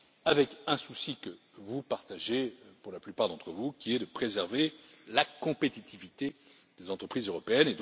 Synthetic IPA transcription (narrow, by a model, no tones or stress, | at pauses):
avɛkɛ̃susikə | vupaʁt̪aʒepuʁlaplypaʁd̪ɑ̃t̪χəvukʲiɛd̪əpχezɛʁve | lakɔ̃pet̪it̪ivit̪e | d̪̥ezɑ̃t̪χəpχizøʁɔpeɛned̪